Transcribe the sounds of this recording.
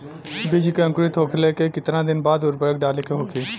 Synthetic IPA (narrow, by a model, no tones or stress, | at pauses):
bɪd͡ʒkeə̃ŋkʊɾit̪ʰoːkʰleːkeːkɪt̪ɾãːd̪ɪnbaːd̪ʊɾbəɽəkɖaːleːkʰeɦoːkʰeː